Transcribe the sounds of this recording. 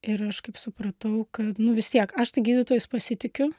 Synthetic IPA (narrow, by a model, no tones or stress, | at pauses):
ɪɾɐʃkɐɪpsʊpɾɐt̪ɐʊkɐt̪nʊʋʲɪst̪ʲiɛkɐʃt̪ɐɪɡʲiːd̪ʲɪt̪oːjʊspɐsʲɪt̪ʲɪkʲʊ